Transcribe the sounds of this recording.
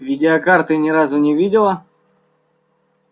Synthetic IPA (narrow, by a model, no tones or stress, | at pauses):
vʲɪdʲɪɐkart̪ɨnʲɪɾazʊnʲɪvʲidʲɪlˠə